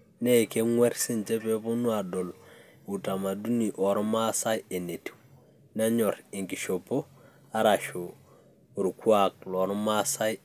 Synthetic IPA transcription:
ne˦˨ke˦ŋwe˦ɾsi˦nt͡ʃe˦pe˦po˦nu˦a˨do˨l | u˨ta˨ma˨du˦ni˨ʔo˨ɾma˦sa˦je˨ne˨ti̥˨w | na˦ɲo˨ɾi˨ŋki˨ʃo˨po˦ | a˦ɾa˨ʃo˨ | u˨ɾkwa˨k̚lo˨ɾɔ˦ma˦sa˦j

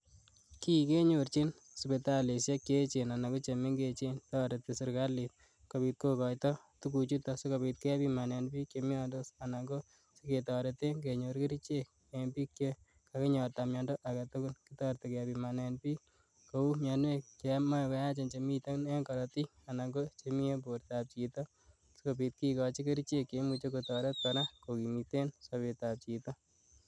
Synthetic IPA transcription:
ki˦ke˦ɲort͡ʃi˦n | supe˨ta˦le˨sje˦kje˦t͡ʃe˨na˨na˨ko˦t͡ʃe˨me˦ŋɡet͡ʃe˦ntɔ˦ɾe˨te˨sɪ˨ɾka˦li˨t̚ | ko˨pit̚ko˦kɔjtɔ˦tu˦ku˧t͡ʃu˦tɔse˦ko˨bi˧t̪̚ke˦a˦pi˦ma˨ne˨npi˦kt͡ʃemjɔ˦ndo˦sa˨naŋɡo˦ | se˦ke˨tɔ˨ɾe˨te˦ŋke˨ɲoɾki˦ɾi˦t͡ʃe˦k̚ | empi˦kje˦ | kake˦ɲɔ˨rt̪a˨mjɔndo˦ʔa˨ka˨t̪o˦kʊ˦nkitɔ˦rt̪e˨kapima˨nɛ˧npi˦ | kou˦mjanwekkema˦ka˦ja˦t͡ʃe˨nt͡ʃemi˦t̪e˦n˦ŋkɔɾɔti˦ | a˨na˨ŋɡo˦t͡ʃemi˦e˦p̬oɾt̪ap̚t͡ʃit̪ɔ | sikopit̪̚kikɔt͡ʃi˦ke˦ɾi˦t͡ʃe˦kːe˦mut͡ʃekotɔ˨ɾe˦t̪̚paɾako˨ki˨mit̪e˦nsopi˨t̪ap̚t͡ʃit̪ɔ˦

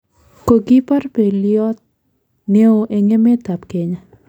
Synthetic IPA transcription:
ko˨ɡi˦pa˦rpe˨ljɔ˦t̪̚ | ne˦o˦ʔe˨ŋe˦me˦t̪a˨pke˨ɲa˨

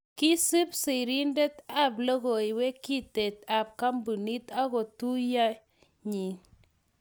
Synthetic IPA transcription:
ki˦sɨ˦psi˨ɾi˦ndɛ˦t̪a˨blo˦ɡo˨we˦ki˦te˨ta˨p̚ka˦mbu˨ni˦t̪a˦ko˨tu˦ja˦ | ɲi˨

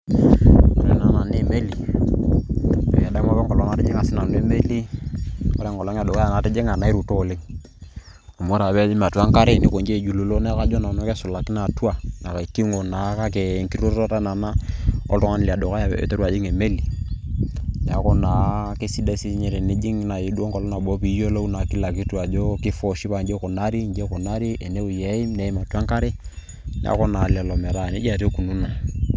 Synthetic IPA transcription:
o˨ɾe˨na˨na˨ne˦˨me˦li˨ | o̰˨ja˨da˦mo˦βe˦ŋɡo˨lo˨˦na˨˦ti˦d͡ʒe˦ŋa˨si˦na˨n˦e˦me˦li˦ | o̰˦ɾe˦˨ŋɡo˨lo˦ŋ˦a˨do˨ka˦ja˨na˨ti˦d͡ʒe˦ŋa˨na˨˦i˦ɾu˨to˦˨le˦ŋ | o˨mo˦ɾa˨βe˦i˦ma˨tu˨˦a˦ŋka˦ɾe˦ne˨ko˨nd͡ʒe˦˨d͡ʒu˨lu˨lo˦ne˦ka˦d͡ʒo˦na˨no˦ke˦su˨la˨ki˦na˨tu˦a˦na˨ka˨i˨ki˦ŋo˨na˨˦ka˦ke˨ŋki˦o˦o˦ɾa˦na˨na˦ɔ̰˦tɔ˦ŋa˦n˨li˨a˨do˨ka˦ja̰˨to˦ɾu˦a˨d͡ʒi˦ŋe˨me˦li˨ | nɛ˨a˨kɔ˦na˨ke˦si˦da˦si˦ɲɛ˨ɾɛ˨ne˦d͡ʒi˦ŋ˦na˨ji˨˦du˦o˦ŋkɔ˨lɔ˦na˨bo˨˦pi˨˦jo˦lo˦u˦na˨ki˦la˨ki˦tu˦a˨d͡ʒo˦ki˦fɔ˨ʃi˦pa˨nd͡ʒe˦ko˨na˦ɾi˦nd͡ʒe˦kɔ˨na˦ɾi˦ʔe˨ne˦u˨je˨˦i˦mne˨i˦ma˨tu˦a˦ŋka˦ɾe˦ | nɛ̰˦a̰˦kɔ˦na˨lɛ˨lɔ˨mɛ˨ɾa˦˨ne˦d͡ʒa˨ɾe˦ku˨nu˦na˨

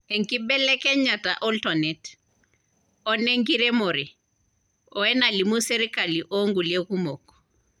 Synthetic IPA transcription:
e˨ŋ˨ki˦bɛ˦lɛ˦kɛ˦ɲa˨ta˨ʔɔ˦ltɔ˨nɛ˨t | ɔ˦nɛ˦ŋ˦ki˦ɾɛ˦mo˨ɾi˨ | ɔ˦ɛ˦na˨li˨mu˦se˦ɾi˦ka˨li˨ʔo˦ŋɡu˨le˦ku˦mo˨kɔ̥˨

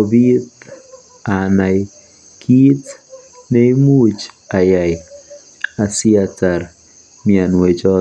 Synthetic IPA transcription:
o˨bi˦t̪ | a˨na˨j | kʰi˦tne˦i˦mu˦t͡ʃa˨ja˨j | a˨si˦ata˨r | mi˦a˨nwe˨t͡ʃɔ˦

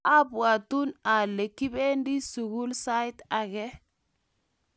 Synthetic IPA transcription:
a˦bwa˨tu˦na˨le˨kːi˦be˦ndi˦su˨ɡu˦lsa˦jta˨ɡɛ˦

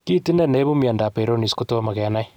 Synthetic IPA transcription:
ki˦ti˦nɛ˦˨ne˦bu˦mja˨nda˨pe˨ɾo˦ni˨sku˦to˦ma˨kɛ˨na˦j

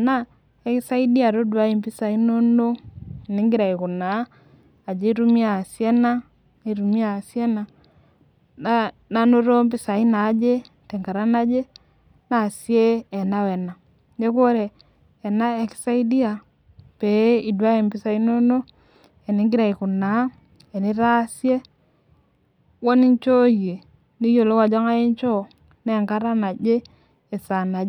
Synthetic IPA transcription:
na˦ | ɛ˦ksa˦i˦di˦a˨ɾo˦dwa˦i˨mbi˦sa˨i˦no˦no˦ɛ˨ne˦ŋɡi˦ɾa˨i˨ko˨na˨˦ | a˨d͡ʒe˦i˦ɾu˦mi˦a˨sjɛ˦na˦ | ne˨ɾu˨mi˦a˨sjɛ˦na˨ | na | na˦no˦ɾɔ˦mbi˦sa˨i˦na˨˦d͡ʒe˦ | tɛ˨ŋɡa˨ɾa˦na˦d͡ʒe˦ | na˨sjɛː˦˨na˦wɛ˨na˨ | ɲe˦ko˦ɾeː˨ | na˦e˨ksa˦i˦di˦a˨ | pe˨˦i˨dwa˦i˨mpi˦sa˨i˦no˦no˦ | e˨ni˦ŋɡi˦ɾa˨i˨ku˨na˨˦ | e˨ni˦ɾa˦sje˦ | wo˦ni˦nt͡ʃo˦je˨ | ni˦jo˨lo˦wa˨d͡ʒa˦ŋa˦ji˦nt͡ʃo˦˨ | ne˦˨ŋka˦ɾa˦na˨d͡ʒe˦ | e˨sa˨na˨˦

